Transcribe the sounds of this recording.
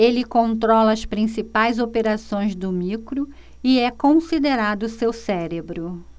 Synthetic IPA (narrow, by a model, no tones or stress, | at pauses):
elɪkõnt̪ɾɔlɐɐspɾĩsipajzopeɾasõj̃zd̪ʊmikɾʊ | ɪɛkõsid̪eɾad̪ʊsewsɛɾebɾʊ